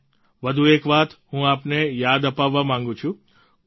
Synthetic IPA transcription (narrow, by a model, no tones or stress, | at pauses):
ʋəd̪ʱuekʋat̪ɦũapnejad̪əpaʋːamãŋɡũt͡ʃʰũ